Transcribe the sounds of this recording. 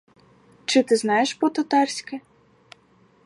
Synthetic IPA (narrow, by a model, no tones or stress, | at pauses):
t͡ʃɪt̪ɪznɑjeʃpɔt̪ɐt̪ɑrsʲkɪ